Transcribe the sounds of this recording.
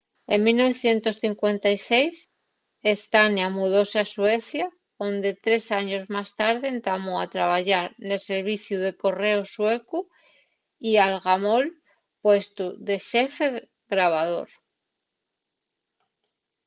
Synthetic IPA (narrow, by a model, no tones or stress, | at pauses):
emilno̞βeθje̞nt̪o̞sθiŋkwe̞nt̪ajsejs | est̪anjamuðo̞seaswe̞θja | ond̪e̞t̪ɾe̞saɲo̞zmast̪aɾðeːnt̪amoat̪ɾaβ̞aʝaɾnelse̞ɾβ̞iθjuðe̞ko̞re̞osweku | ialɣamol | pwe̞st̪uðe̞ʃefe | ɣɾaβ̞aðo̞̰ɾ